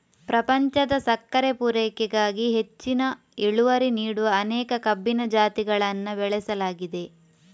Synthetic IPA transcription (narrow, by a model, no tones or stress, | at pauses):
pɾɐpɐɲt͡ʃɐd̪ɐsɐkːɐɾepuɾɛːkɛɡaːɡiɦe̞t͡ʃːinɐ | eɭuʋɐɾiniːɽuʋɐːnɛːkɐkɐbːinɐd͡ʒaːt̪iɡɐɭɐnːɐbɛɭɛsɐlaːɡid̪e̞